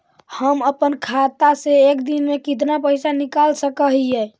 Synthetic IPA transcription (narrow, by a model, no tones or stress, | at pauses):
həməpənkʰat̪aseːkd̪inmekit̪napəɦjsanikalsəkəɦijɛ